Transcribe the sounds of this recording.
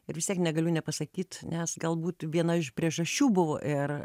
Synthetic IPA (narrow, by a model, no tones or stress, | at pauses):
ɪɾʋʲɪst̪ʲiɛknʲɛɡɐlʲʊnʲɛpɐsɐkʲiːt̪nʲɛsɡɐlˠbuːt̪ʋʲiɛnɐɪʃpʲɾʲiɛʒɐʃʲt͡ʃʲuːbʊʋo̰ʔɪr